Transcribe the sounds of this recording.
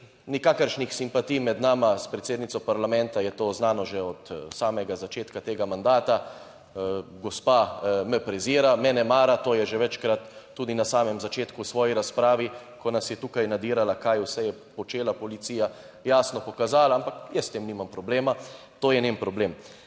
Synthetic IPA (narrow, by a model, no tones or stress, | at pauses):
nikakəɾʃnixsimpat̪ijmɛd̪naːmaspɾɛt̪seːd̪nit̪sɔpaɾlamɛnt̪ajɛt̪oːznaːnɔʒɛɔt̪saːmɛɡazat͡ʃeːt̪kat̪eːɡamand̪aːt̪a | ɡɔspamɛpɾɛziːɾamɛnɛmaːɾat̪oːjɛʒɛʋɛt͡ʃkɾat̪ː | uːd̪inasaːmɛmzat͡ʃeːt̪kusʋɔːjiɾaspɾaːʋi | kɔnasjɛt̪uːkajnad̪iːɾalakajwsɛjɛpɔt͡ʃeːlapɔlit̪siːja | jaːsnɔpɔkazaːlaampakjəst̪emnimampɾɔbleːma | t̪oːjɛnempɾɔbleːm